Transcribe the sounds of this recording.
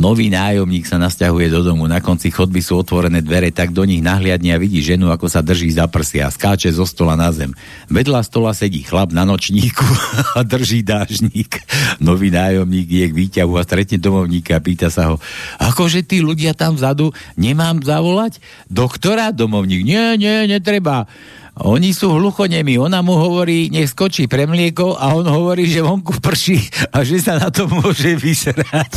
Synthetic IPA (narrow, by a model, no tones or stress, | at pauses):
nɔʋiːnaːjɔmɲiːksanascaɦujɛd̪ɔd̪ɔmunakɔnt͡sixɔd̪̚bisuːɔt̪ʋɔɾɛnɛːd̪ʋɛɾɛt̪aɡ̚d̪ɔɲiɣnaɦlɪad̪ɲɛaʋiɟiːʒɛnuakɔsad̪r̩ʒiːzapr̩sia̰skaːt͡ʃɛzɔst̪ɔlanazɛm | ʋɛd̪last̪ɔlasɛɟiːxlabnanɔt͡ʃɲiːkuad̪r̩ʒiːd̪aːʒɲiːknɔʋiːnaːjɔmɲiːɡijɛɡʋiːcaɦuast̪ɾɛt̪ɲɛd̪ɔmɔʊɲiːkaapiːt̪asaɦɔa̰kɔʒɛt̪iːluɟɪat̪amvzad̪uɲɛmaːmzaʋɔlac | d̪ɔkt̪ɔɾad̪ɔmɔʊɲiːɡɲɪɛɲɛɲɛt̪ɾɛba | ɔ̰ɲisuːɦluxɔɲɛmiɔnamuɦɔʋɔɾiːɲɛxskɔt͡ʃiːpɾɛmlɪɛkɔʊʔaɔnɦɔʋɔɾiːʒɛʋɔŋkupr̩ʃiaʒɛsanat̪ɔmːʊɔʒɛʋizɛɾac